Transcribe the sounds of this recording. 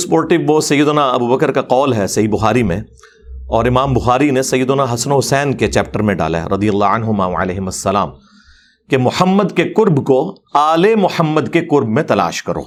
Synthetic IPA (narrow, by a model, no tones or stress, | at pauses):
spoːɾʈɪʋʋosɐjːəd̪ʊnaɐbuːbɐkəɾkaqɔːlɦɛsɐɦibʊxaːɾimẽ | ɔːɾɪmaːmbʊxaːɾinesɐjːəd̪ʊnaɦɐsnoɦʊsɛːnket͡ʃɛːp̚ʈəɾmẽɖa̰ːla̰ɦɛ̰ɾʔɐd̪ijɐlːaɐnɦʊma̰ːʋɐ̰ʕə̰lɛːɦɪmɐsːɐla̰ːm | kemʊħəmːəd̪kekʊɾbko | aːlemʊħəmːəd̪kekʊɾbmẽt̪ɐla̰ːʃkɐɾo̰ː